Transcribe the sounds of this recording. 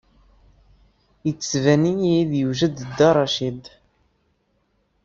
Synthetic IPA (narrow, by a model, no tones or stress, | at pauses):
jət͡sːsvænijiiðjuʒəd̪d̪ːɑɾˤɑʃid̪